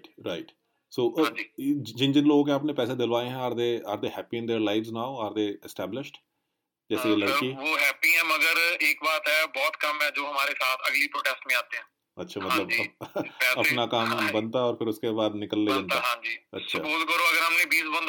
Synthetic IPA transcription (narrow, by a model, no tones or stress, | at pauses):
ʈɾaɪʈ | soːʔːd͡ʒiːd͡ʒɪnd͡ʒɪnloːɡkeaːpnepɛːsed̪ɪlʋaːeɦɛ̃aːɾd̪eːaːɾd̪eːɦɛːpiːɪ̃nd̪eːɾlaːɪʋznaːʊaːɾd̪eːɪsʈɛːblɪʃʈ | d͡ʒɛːseeləɽiːʋoːɦɛːpiːɛ̃ːməɡəɾeːkbaːɾt̪ɦɛːbɔːt̪kəmːɛ̃ːd͡ʒoːɦəmaːɾesaːt̪ʰəɡliːpɾoːʈɛːsʈmẽaːt̪eɦãː | ətːʃʰaːmətɦãləbd͡ʒiːpɛːənaːkaːmɦmbənt̪aːɔːɾpʰɪɾʊskebaːd̪nɪkəlːed͡ʒə̃nt̪aɦãːd͡ʒiːətsːʃʰaːpuːzkəɾoːəɡəɾɦəmnẽːbiːsbə̃nd̪